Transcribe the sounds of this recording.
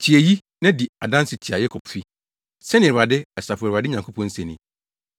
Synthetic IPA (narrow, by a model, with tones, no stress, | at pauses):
t͡ɕʰi˨e˨ji˦ | nã˦di˨a˨dã˦nsɪ˨tʰi˨a˨jɛ˦kʰɔ˨pfi˦ | sɛ˦nɪ̃˨ɛ˨a˨dɪ˦ɛ˨sa˨fɾa˨dɪ˦ɲã˨ŋkʰo˦pʰɔ̃˦n̩˦sɛ̃˨nɪ̰̃˨